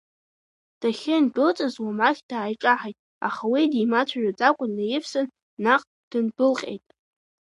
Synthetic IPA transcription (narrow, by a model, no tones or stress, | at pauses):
d̥aχʲɪnbɨlt͡sʼazwamaχʲd̥aːjʈ͡ʂʼaħajtʼ | a̰χawidimat͡ɕʷʰaʒᶣad͡zʼakʷʼʊnːajɪfsɨn | naqʼ | d̥ɨnbɨlqʲʼḛjtʼ